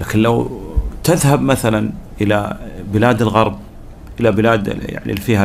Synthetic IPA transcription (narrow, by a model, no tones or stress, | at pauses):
laːkɪnlawt̪ɪðhabmaθalanʔɪla̰bɪlaːd̪ɪlɣɑɾˤb̚ | ʔɪlabɪlaːd̪̰ja̰ʕnḭfiːha